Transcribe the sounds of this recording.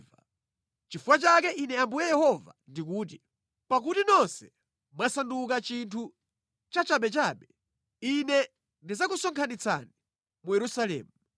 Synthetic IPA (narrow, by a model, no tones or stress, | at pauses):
va | t͡ʃifuwat͡ʃakɛʔinɛambujɛjɛhɔva̰ndikuːt̬i | pakutinɔnsɛ | masandukat͡ʃintʰu | t͡ʃat͡ʃaɓɛt͡ʃaːɓɛ | inɛ | ndizakusɔŋkʰanit͡sa̰ni | mujɛɾusalɛ̰ːmu